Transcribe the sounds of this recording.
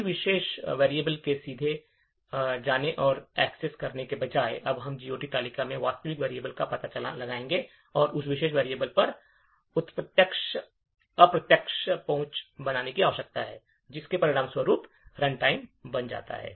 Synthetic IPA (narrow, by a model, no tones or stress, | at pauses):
ʋɪʃeːʃʋeːɾieːbəlkesiːd̪ʱe | d͡ʒaːneʔɔːɾɛːkseskɐɾnekebɐd͡ʒaːḛʔɐbɦɐmd͡ʒiːoːʈit̪aːlikamẽʋaːst̪əʋɪkʋeːɾieːbəlkapɐt̪at͡ʃɐla̰lɐɡaːẽːŋɡe | ɔːɾʊsʋɪʃeːʃ̬ʋeːɾieːbəlpɐɾ | ʊt̪pət̪jəkʃ | ɐpɾɐt̪jəkʃpɐ̃ɦʊ̃t͡ʃbɐnaːnekiaːʋʃɐk̚t̪aɦɛː | d͡ʒɪskepɐɾɪɽaːmswəɾuːp | ɾɐ̃ɳʈaːɪmbɐnd͡ʒa̰ːt̪a̰ɦɛ̰ː